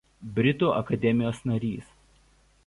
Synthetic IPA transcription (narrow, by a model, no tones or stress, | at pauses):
bʲɾʲɪt̪uːʔɐkɐd̪ʲɛmʲɪjoːsnɐɾʲiːs